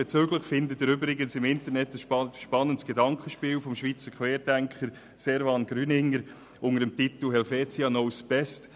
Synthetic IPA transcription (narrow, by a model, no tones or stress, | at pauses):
et͡søːɡləχfɪndətɪɾʏbɾɪɡənsɪmɪntəɾnɛtdəsʃpʃpɑnəntsɡ̥edɑŋkχəʃpiːlfɔmʃʋiːt͡səkʰʋeːɾdæŋkχəɾ | sɛɾvɑnɡ̥ɾyːnɪŋːəɾ | ʊnədəmtit̪l̩ɦɛlfeːt͡siɑnɔwsb̥ɛst